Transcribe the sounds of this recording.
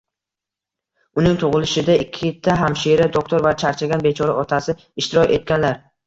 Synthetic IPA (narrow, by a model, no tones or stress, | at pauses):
ʊnɪŋt̪ʰʊʁɨlɪʃɪd̪aɪkʲʰːɪt̪ʰːaɦamʃeɾad̪ok̚t̪ʰo̞ɾvat͡ʃʰaɾt͡ʃʰaɡʲanbe̞t͡ʃʰɒɾaɒt̪ʰasɪ | ɪʃt̪ɪɾɒkʲe̞̰t̪̚ɡʲanlaɾ